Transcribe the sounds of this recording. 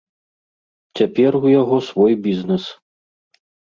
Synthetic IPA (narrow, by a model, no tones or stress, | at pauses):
t͡sʲapʲɛrujaɣɔsvɔjbʲiznɛs